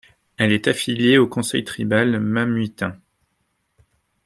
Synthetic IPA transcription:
ɛlɛt̪afiljeokɔ̃sɛ̰jt̪χibalmamɥit̪ɛ̃

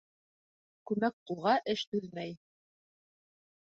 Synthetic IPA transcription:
kʉmæk̚qulˠʁɑʔɘʃt̪ʉlmæj

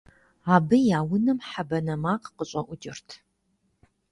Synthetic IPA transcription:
aːbɨjaːwʊnɨmħabɐnɐmaːqqəɕʼɐʔʷʊd͡ʒɪrtʰ

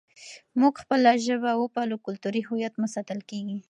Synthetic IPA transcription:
muɡxpəlaʒəbawəpɑlokʊlt̪uɾiɦʊjat̪mʊsɑt̪əlkeɡi

